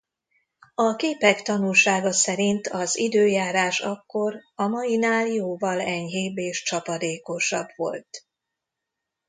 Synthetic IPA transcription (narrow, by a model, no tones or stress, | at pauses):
ɒkeːpɛkt̪ɒnulʃaːɡɒsɛɾint̪ʰɒzid̪øːjaːɾaːʃɒkːo̞rɒmɒjinaːljoːvɒlɛɲɦeːbeːʃt͡ʃɒpɒd̪eːko̞ʃɒbʋo̞̰lt̪